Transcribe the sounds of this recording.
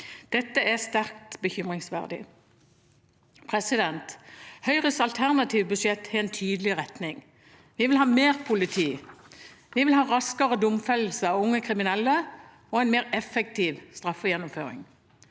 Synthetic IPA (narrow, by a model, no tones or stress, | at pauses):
d̪̥ɛt̪ːəæst̪æʁk̚t̪bəçʏmʁɪŋsʋæ̰ʁd̪ɪ̰ | pʰʁɛsɪd̪ɛnt̪hœʏʁəsɑlt̪ʰæʁnɑt̪ʰiːʋbʉʃjɛt̪hæɛnt̪ʰyːd̪əlɪʁɛt̪nɪŋ | ʋɪʋɪlhɑːmeːʁpʰʊlɪt̪ʰiː | ʋiʋɪlhɑːʁɑskəʁəd̪ʊmfɛl̩ːsəɑʋʊŋːəkʰʁɪmɪnɛlːə | ɔːɛɪnmeːʁɛfɛk̚t̪ʰiːʋst̪ʁɑfːəjɛnːʊmføːʁɪ̰ŋ